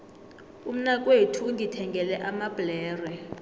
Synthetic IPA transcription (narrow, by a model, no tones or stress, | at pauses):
um̩nak̬ʼwetʰuŋɡitʰɛŋɡʱɛlɛʔamab̥lɛːrwɛ